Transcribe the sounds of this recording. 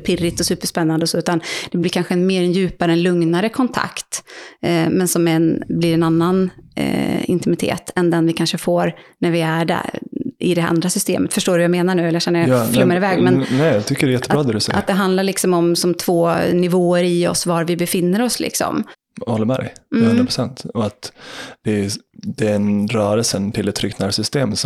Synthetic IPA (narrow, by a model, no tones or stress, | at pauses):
pʰɪrːɪt̪ːɔsʉ̟ːpəʂpɛnːand̪əɔsɔːʉ̟ːt̪and̪̥ɛblɪɾkʰanɧəɛnmeːɾɛnjʉ̟ːpaɾəɛnlɵŋnaɾəkʰɔnt̪ʰa̰kt̪ | mɛnsɔmɛnblɪɾɛnanːan̰ | ɪ̰nt̪ɪmɪt̪ʰḛːt̪ʰɛnd̪ɛnvɪkʰanʂəfoːɾnæɾvɪæɖæ̰ɾʔɪd̪ɛʔa̰nd̪ɾasʏst̪ḛːmət̪fœʂʈoːɾjameːnaɳʉ̟ːɛləjaʃɛnːəjlɛmːaɾɪvɛːɡmɛnnɛat̪ʰʏkːəɾɛɾjɛt̪ːəbɑːd̪ɛd̪ɵsɛ̰ʔa̰t̪d̪ɛɦand̪laɾɭɪksɔmɔmsɔmt̪ʰvoːnɪvoːəɾɪɔ̰svaɾvɪbɛfɪnːəɾɔslɪ̰ksɔ̰m | ɔlːəmɛɾ̰hɵnɾapʰɾʊ̥sɛnt̪ɔat̪d̪̥ɛd̪ɛɛnɾœːɾəlsənt̪ʰɪlɛt̪ʰːɾʏkt̪naːɾsʏst̪eːms